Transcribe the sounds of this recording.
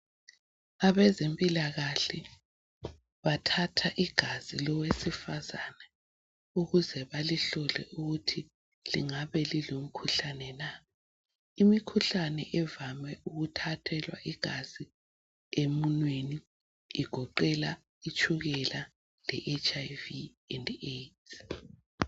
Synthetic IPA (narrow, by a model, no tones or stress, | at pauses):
aβɛzempʼilaɣaɬɛ | βatʰatʰaʔiɡ̥ʱazilɔwesifazanɛ | uɣuzɛβaliɬɔlɛ̰ʔuɣutʰi | liŋaβɛlilom̩kʰuɬanɛna | imikʰuɬanɛʔɛvamɛʔuɣutʰatʰɛlwa̰ʔiɡ̥ʱaz̥i | emunweniː | ɡ̥ʱɔǃɛla | it͡ʃʰʼuɣɛla | lɛ̰ʔet͡ʃʰʼajvi | ɛndetʰ